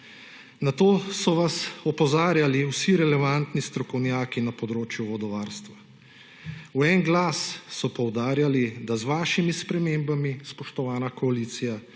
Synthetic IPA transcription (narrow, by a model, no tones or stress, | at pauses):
nat̪oːsɔʋasɔpɔzaːɾjaliwsiɾɛlɛʋant̪nist̪ɾɔkɔwnjaːkinapɔd̪ɾoːt͡ʃjuʋɔd̪ɔʋaːɾst̪ʋa | uɛŋɡlaːssɔpɔwd̪aːɾjalid̪azʋaːʃimispɾɛmeːmbamispɔʃt̪ɔʋaːnakɔaliːt̪sija